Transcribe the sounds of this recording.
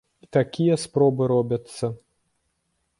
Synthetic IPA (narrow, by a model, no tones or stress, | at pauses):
it̪akʲijɐspɾɔbɨɾɔbʲɐt̪sːɐ